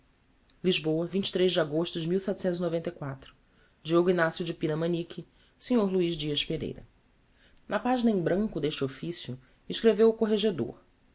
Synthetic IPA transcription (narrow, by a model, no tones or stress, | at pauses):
liʒboɐvĩnt͡ʃɪ̥t̪ɾejʒd͡ʒɪaɡoʃt̪ʊd͡ʒɪmiwsɛt̪ʊ̥sẽnt̪ʊzinovẽnt̪ɐjkwat̪ɾʊ | d͡ʒioɡʊinasjʊd͡ʒɪpinɐmɐ̃nikʲʰi | seɲoɾluiʒd͡ʒiɐʃpeɾḛjɾɐ̰ | nɐpaʒinɐẽbɾɐ̃ŋkʊd̪eʃt͡ʃɪofisjʊ | iʃkɾevewʊkoɦeʒed̪o̰ɾ